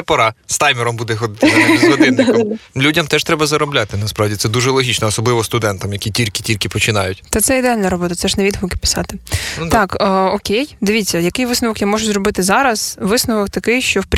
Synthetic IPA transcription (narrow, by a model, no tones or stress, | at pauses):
pɐɾɑst̪ɑjmʲɪɾɔmbud̪ɛxɔd̪ɪt̪ɪzɔd̪ɪnnːɪklʲudʲɐmt̪ɛʃt̪ɾɛbɐzɐɾɔblʲat̪ɪnɐspɾɑwdʲit̪sɛd̪uʒɛlˠɔɦʲit͡ʃnɔːsɔblˠɪʋɔst̪ʊd̪ɛnt̪ɐmjɐkʲitʲilʲkɪ̥tʲilʲkɪpɔt͡ʃɪnɑjʊtʲt̪ɛt̪sɛid̪eɑlʲnɐɾɔbɔt̪ɐt̪sɛʒnɛʋʲid̪ʋʊkɪ̥pʲɪ̥sɑ̰t̪ɪt̪ɑkːɔkʲejd̪ɪʋʲitt͡sʲːɐjɐkɪjʋɪsnɔʋɔkjamɔʒʊzɾɔbɪt̪ɪzɑɾɐz̥ʋɪsnɔʋɔk̚t̪ɐkɪjʃt͡ʃɔwpʲ